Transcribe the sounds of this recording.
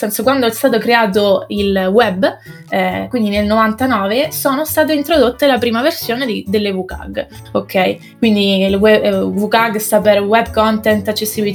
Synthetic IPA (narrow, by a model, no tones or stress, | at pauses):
sɛnsokwand̪oɛst̪aːt̪okɾeaːt̪̬oilwɛbː | ɛkwind̪inelnovant̪anɔːvesoːnost̪aːt̪̬eint̪ɾod̪ot̪ːelapɾiːmaversjoːned̪id̪elːevuka̰ɡ | okʰːɛj | kwind̪ilwɛvukaɡst̪aperwɛb̚kɔnt̪ɛnt̪at͡ʃːesːibii